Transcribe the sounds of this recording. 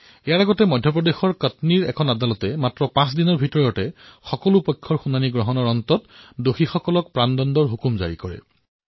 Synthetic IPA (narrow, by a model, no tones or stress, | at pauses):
ejaɹaɡɔtɛmɔjdʱjɔp̬ɹɔdexɔɹkətniɹɛkʰɔnadalɔtɛmatɹɔpãsdinɔɹbʱitɔɹjɔtɛxɔkɔlupɔjkʰːɔɹxunaniɡɹɔɦɔnɔɹɔntɔtdoxixɔkɔlɔk̚pɹandɔndɔɹɦukumza̰ɹḭkɔɹɛ̰